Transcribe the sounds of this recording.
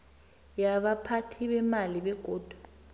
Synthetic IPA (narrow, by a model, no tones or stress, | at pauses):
jaɓapʰatʰiɓɛmaliɓɛɡ̥ʱoːd̥ʱu̥